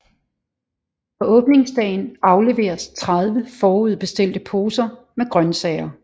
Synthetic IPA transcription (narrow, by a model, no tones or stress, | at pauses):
fɒ̽ɔ̽ːb̥ne̝ŋsd̥ɛ̰ːɪn̩ɑ̈ʊle̝ʋe̝̰ːɐst͡sʰʁað̞ˠʋəfɒːuð̞̰ˠb̥e̝sd̥e̝l̰d̥əpʰo̝ːsɐ | meɡ̥ʁɶnsɛɪɐ